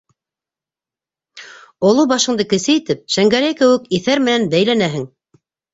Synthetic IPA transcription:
ŏlˠubɑʃɤ̆ɴd̪ɤkɘ̆sɘjit̪ɘp̚ʃæŋɡæɾæjkɘ̆wɘkiθæɾmɘ̆nænbæjlænæɦɘŋ

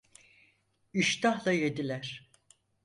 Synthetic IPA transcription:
iʃt̪aɦlˠaje̞d̪ilʲæɾ̥

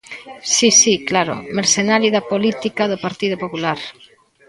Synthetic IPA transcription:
sisiklaɾo̰meɾsenaliðapolit̪ikaðopaɾt̪iðopopulaɾ

